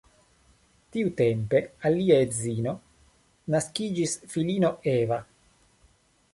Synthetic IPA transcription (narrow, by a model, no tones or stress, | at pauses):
tiute̞mpe̞alːiaetzino̞ | naskid͡ʒisfilino̞eva